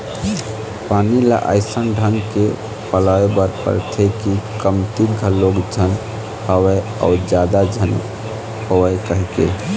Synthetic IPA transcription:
paːnila̰ʔa̰ɪsənɖʱəŋɡke | pəlaebəɾpə̰ɾt̪ʰekikəmt̪iɡʱəloɡd͡ʒʱən | həwɛ | a̰ʊd͡ʒad̪ad͡ʒʱən | howəkəɦikḛ

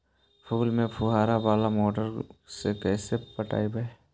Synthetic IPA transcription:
pʰuːlmẽpʰʊɦaːɾabaːlamoːʈəɾsekɛːsepɐʈa̰ːibəe

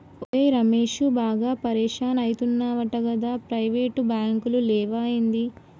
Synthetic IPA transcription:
oejɾɐmeːʃubaːɡaːpɐɾɛːʂaːnɐjit̪unːaːʋɐʈɐɡɐd̪aːpɾɐjʋeːʈubjaːŋkululɛːʋaːjind̪i

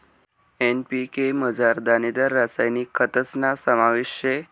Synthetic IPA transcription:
enpikeməd͡zaɾd̪anid̪aɾːasajnikʰːət̪əsnasəmaʋiɕje

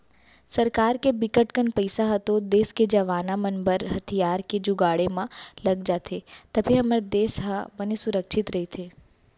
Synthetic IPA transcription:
sɐɾkaːɾkebɪkəʈkənpɐɪsaɦɐt̪od̪eːsked͡ʒɐʋaːnamɐnbəɾɦɐt̪ʰijaːɾked͡ʒʊɡaːɽemãlɐɡd͡ʒaːt̪ʰet̪ɐbʱiɦɐmɾed̪eːsɦabənesʊɾəkʃɪt̪ɾɐɦit̪ʰeː

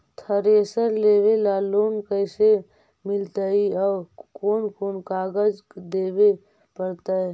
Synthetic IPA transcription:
t̪ʰəɾesəɾleːwelaloːnkəɪse | mɪlt̪əiɔkoːnkoːnkaːɡəd͡ʒ | d̪eːbe | pəɾt̪ə

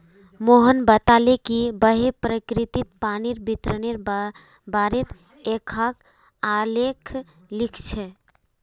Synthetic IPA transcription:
moɦənbət̪alekibəɦepɾəkɾit̪it̪̚paniɾbit̪ɾəneɾ | baɾet̪ | ekʰək | alekʰ | likʰt͡ʃʰɛ

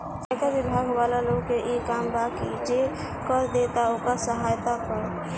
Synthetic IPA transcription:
d͡ʒakabibʱaɡbalaloɡkeʔikambakid͡ʒe | kəɾd̪et̪aokasəɦajt̪apəɾ

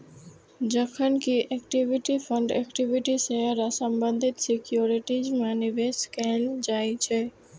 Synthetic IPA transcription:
d͡ʒəkʰənkiʔekʈiʋiʈifʰə̃ɳɖɛkʈiʋɪʈisɛɦəɾasəmbə̃nd̪ʱɪt̪sɪkjoːɾɪʈid͡ʒmãnɪʋeskɛld͡ʒaːit͡ʃʰɛ

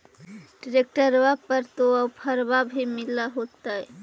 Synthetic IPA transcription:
ɖɾek̚ʈəɾwapəɾt̪oapʰəɾbabʱimilaɦot̪aɛ

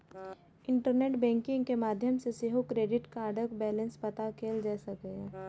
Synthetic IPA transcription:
ɪ̃ɳʈəɾneːʈbɛ̃ːŋkɪ̃ŋɡkemaːd̪ʱjəmseseɦokɾeːɖɪʈkaːɾɖəkbɛːlə̃nspɐt̪akʰeːld͡ʒɛːsaɡɐja

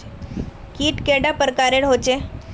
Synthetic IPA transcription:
kiːʈkeɽapəɾkaɾeɽɦot͡ɕe

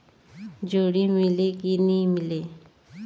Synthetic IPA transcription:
d͡ʑoɽimilekinimile

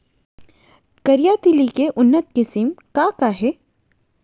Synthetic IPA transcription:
kɐɾijaːt̪ilikeʔʊnːət̪̚kɪsɪmkakaɦɛː

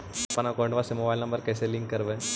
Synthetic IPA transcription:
ɐpanakɔːɳɖʋasemobaːɪlnɐ̃mbəɾkɛːselɪ̃ŋkːɐɾʋẽ

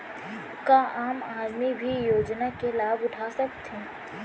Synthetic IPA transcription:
kaʔaːmaːd̪mibʱijoːd͡ʒnakelaːbʊʈʰasɐkt̪ʰẽː

